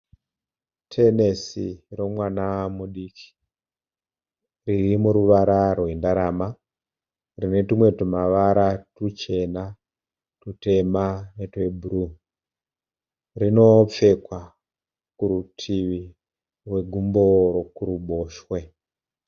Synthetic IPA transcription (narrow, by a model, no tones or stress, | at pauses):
tʰe̞ne̞sḭro̞mwanamuɗiːkʰi̥ | ririmuɾuʋaɾarwendaɾama | rine̞timwe̞tumaʋaɾatut͡ʃe̞na | tute̞manetweburu | rino̞p͡fe̞kwa | kuɾutʰiʋi | rwe̞ɡʱumboɾokuɾuɓoːʃwe̞